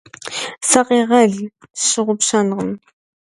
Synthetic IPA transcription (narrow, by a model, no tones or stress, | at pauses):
sɐqeʁɐɮ | ʃɨʁʷʊpʃɐnʁəm